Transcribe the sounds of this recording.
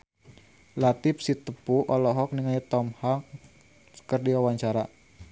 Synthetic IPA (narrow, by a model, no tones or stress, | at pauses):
lat̪ɪfsit̪əpuʔɔlɔɦɔk̚niŋajt̪ɔmhak | ə̥kərdiwawaɲt͡ʃaɾa